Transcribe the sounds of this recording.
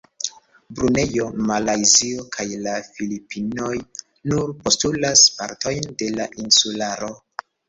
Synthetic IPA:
bɾune̞jo̞malajziokʰajlafilipʰino̞j | nuɾpo̞stulaspaɾtʰo̞jnde̞laʔinsulaɾo̞

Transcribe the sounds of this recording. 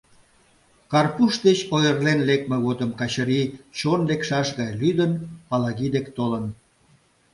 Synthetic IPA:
kɑrpuʃd̪et͡ɕojərlenlek̚meɣot̪əmkɑt͡ɕəɾit͡ɕonlekʃɑʃɣɑjlyd̪ənpɑlɑɣid̪ekt̪olən

